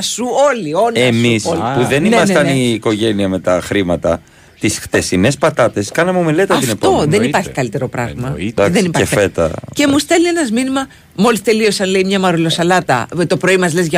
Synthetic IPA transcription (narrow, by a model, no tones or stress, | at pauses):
suolio̞neɐmispuðe̞nimɐst̪ɐniːko̞ʝe̞niɐme̞t̪ɐxɾimɐt̪ɐ | t̪isxt̪e̞sine̞spɐt̪ɐt̪e̞skɐnɐmeme̞le̞t̪ɐɐt̪ifnetp̪oðe̞nipɐɾçi̥kɐlit̪e̞ɾo̞pɾɐ̰ɣmɐðenipɐeffet̪ɐ̰e̞must̪e̞lie̞nɐzminimɐ | mo̞list̪e̞lio̞sɐnle̞imɲɐmɐɾolo̞sɐlɐt̪ɐ̰t̪o̞pɾo̞imɐzle̞zʝɐ